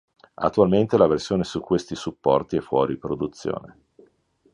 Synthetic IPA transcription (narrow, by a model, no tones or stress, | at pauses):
a̰t̪ːualment̪elaversjoːnesukːwest̪isupːɔrt̪iɛfːwɔ̰ːɾipɾod̪ut̪sːjo̰ːne